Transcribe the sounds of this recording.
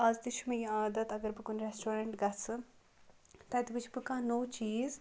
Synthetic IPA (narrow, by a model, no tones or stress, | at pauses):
ɐzd̪iʃumɐ̃jĩaːd̪ɐt̪ɐɡɐɾbɨkunɾesʈoːɾɐɳʈɡɐt͡sɨ | t̪ɐt̪bɨt͡ʃʰibɨkaːnoːt͡ʃiːz